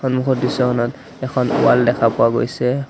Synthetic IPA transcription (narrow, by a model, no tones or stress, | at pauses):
ɔnmukʰɔtdisɔkʰɔnɔt | ɛkʰɔnṵwa̰ldɛkʰapʊaɡo̰jsɛ